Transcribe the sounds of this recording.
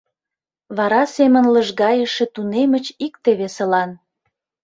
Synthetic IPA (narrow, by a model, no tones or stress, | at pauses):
βɑɾɑsemənləʒɣɑjəʃĕt̪unemət͡ɕik̚t̪eβesəlɑn